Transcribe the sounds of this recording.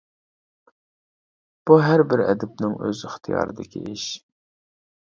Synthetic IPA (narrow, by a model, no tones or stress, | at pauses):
b̥uɦæɾbɪɾɛ̰d̪ɪp̚nɪŋʔøzɪχt̪ʰɨjɑ̰ːɾɨd̪ɪkʲʰiʔɪʃ